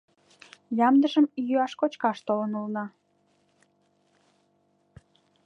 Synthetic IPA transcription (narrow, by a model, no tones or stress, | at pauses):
lʲɑmd̪əʒəmijøɑʃkot͡ɕkɑʃt̪olənulnɑ